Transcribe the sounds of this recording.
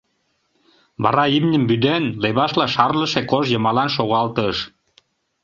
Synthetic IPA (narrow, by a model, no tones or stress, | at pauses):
βɑ̰ɾɑimnʲəmbyd̪enleβɑʃlɑʃɑrləʃekoʒjɤ̆mɑlɑnʃoɣɑlt̪əʃ